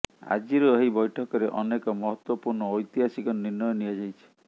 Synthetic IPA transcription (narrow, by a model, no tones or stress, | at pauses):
a̰d͡ʒiɾɔeɦibɔjʈʰɔkɔɾeʔɔnekɔmɔɦɔt̪wɔpuɾɳɔːjt̪iɦasikɔniɾnɔjɔniad͡ʒajt͡ʃʰi̥